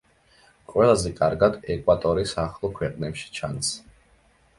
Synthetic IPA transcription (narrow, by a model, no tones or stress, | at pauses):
qʼwɛlˠazɛkʼaɾɡad̪ɛkʼwat̪ʼɔɾisaχlˠɔkʰwɛqʼnɛpʃi̥t͡ʃʰans